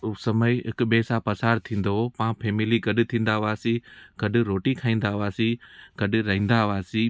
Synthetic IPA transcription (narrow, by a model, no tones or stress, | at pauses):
sɐməɪɦɪkʊɓeːsãpɐsaːɾt̪ʰĩːn̆d̪opãːfeːmɪliɡɐɗʊ̆t̪ʰĩːn̆d̪aʋaːsiɡ̥ɐɗʊ̆ɾoːʈikʰãːĩːn̆d̪aʋaːsiɡ̥ɐɗʊ̆ɾɐɦĩːnd̪aʋaːsĩ